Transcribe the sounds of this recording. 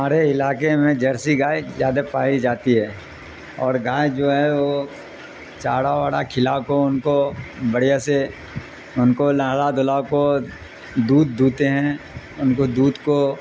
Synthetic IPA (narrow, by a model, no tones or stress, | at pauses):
aːɾeɪlaːkemẽd͡ʒɐɾsiɡaːjzjaːd̪apaːid͡ʒaːt̪iɦɛː | ɔːɾɡaːjd͡ʒoːɦɛʋo | t͡ʃaːɽaʋaːɽakʰɪlakoʊnkobɐɽ̤ijase | ʊnkolaːlad̪ʊlako | d̪uːd̪̚ːuːt̪eɦɛ̃ | ʊnkod̪uːd̪ko